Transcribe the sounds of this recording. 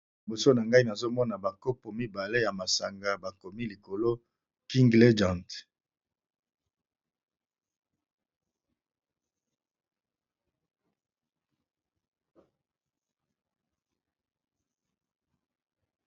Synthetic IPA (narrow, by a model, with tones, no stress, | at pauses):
bo˨so˦na˨ŋɡa˦i˦na˨zo˦mɔ˦na˨ba˨ko˦po˨mi˦ba˨le˦ja˨ma˨sa˨ŋɡa˨ba˨ko˨mi˦li˨ko˨lo˦ | ki˦ŋɡle˦d͡ʒã˨nt